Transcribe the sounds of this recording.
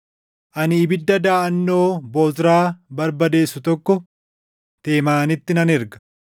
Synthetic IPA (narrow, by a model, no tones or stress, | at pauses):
ʔɐnɪːbɪd̪ːɐd̪aːʔɐnːo̞ːboːt̪ɾaːbɐɾbɐd̪e̞ːsːʊt̪ɔkːɔ | t̪e̞ːmaːnɪt̪ːɪnɐnɛɾɡɐ̥